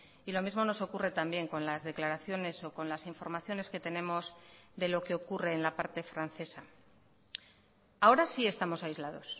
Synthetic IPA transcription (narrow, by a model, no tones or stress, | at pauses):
ilo̞mizmo̞no̞so̞kure̞t̪ambje̞ŋko̞nlazðe̞klaɾaθjo̞ne̞so̞ko̞nlasiɱfo̞ɾmaθjo̞ne̞ske̞t̪e̞ne̞mo̞zðe̞lo̞ke̞o̞kure̞ːnlapaɾt̪e̞fɾan̟θe̞sa | ao̞ɾasie̞st̪amo̞sajzlað̞o̞s